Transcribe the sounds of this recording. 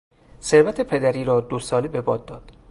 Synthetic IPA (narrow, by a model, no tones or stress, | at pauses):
se̞ɾvæt̪ʰe̞pʰe̞d̪æɾiːɾɒːd̪osɒːlebe̞bɒːd̪̚ːɒːd̪̥